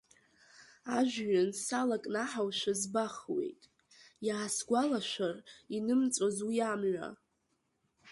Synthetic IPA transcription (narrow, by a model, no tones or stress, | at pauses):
aʒᶣɥansalakʼnaħawʃʷazbaχwḛjtʼ | jaːsɡʷalaʃʷarinɨmt͡sʼazujamʕʷa̰